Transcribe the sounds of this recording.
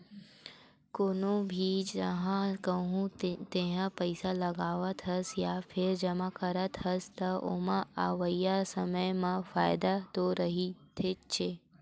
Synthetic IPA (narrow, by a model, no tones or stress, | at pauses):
konobʱid͡ʒəɦãkəɦũt̪eɦãpəɪsaləɡaːʋət̪ʰɦəsjafʰɪɾd͡ʒəmãkəɾət̪ʰɦəst̪əo̰mãaʋəijasəməjmãfaːjd̪at̪oɾəɦit̪ʰet͡ʃʰe